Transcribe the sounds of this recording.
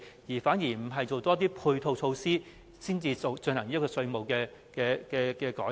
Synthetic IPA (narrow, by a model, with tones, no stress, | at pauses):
jiː˨˩faː˨˥njiː˨˩m̩˨˩ɦɐ˨jt͡ʃo˨wt̪ɔː˥t̪̬iː˥pʰuː˧jt̪ʰo˧wt͡ʃʰo˧wsiː˥ | siː˥nt͡siː˧o˨wt͡sɵ˧nhɐ˨˩ŋi˥kɔː˧sɵ˧ɥmo˨wkɛː˧ | kɛː˧kɛː˧kɛː˧kɔː˨˥